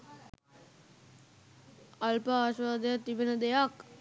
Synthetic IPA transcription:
alpəaːʃʋaːd̪əjat̪ːibenəd̪ejak

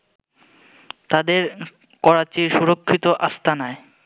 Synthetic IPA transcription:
t̪ad̪eɾ | kɔɾat͡ɕiɾʃuɾokʰːit̪oʔast̪ʰanae

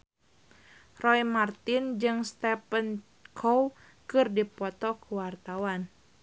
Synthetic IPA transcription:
rɔjmart̪ɪnd͡ʒɨŋst̪ɛpən | kʰow | kɨrdipɔt̪ɔkuwart̪awan

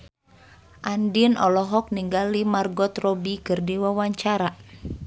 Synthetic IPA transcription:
ʔandinʔɔlɔɦɔk̚niŋɡalimarɡɔt̪rɔbikɨrdiwawaɲt͡ʃaɾa

